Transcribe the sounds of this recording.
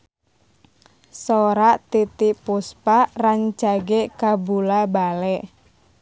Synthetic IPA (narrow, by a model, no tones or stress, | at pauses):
soɾat̪it̪ipuspaʔraɲt͡ʃaɡekabulabalɛʔ